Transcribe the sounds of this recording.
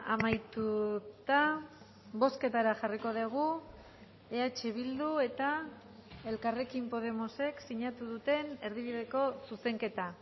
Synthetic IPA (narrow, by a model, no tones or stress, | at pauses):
a̰majt̪ut̪a | bo̞ske̞t̪aɾaxariko̞ðeɣ̞u | eat͡ʃeβ̞ild̪ue̞t̪a | e̞lkare̞kimpo̞ð̞e̞mo̞se̞ksiɲat̪uð̞ut̪e̞ne̞ɾðiβ̞iðe̞ko̞suse̞ŋke̞t̪a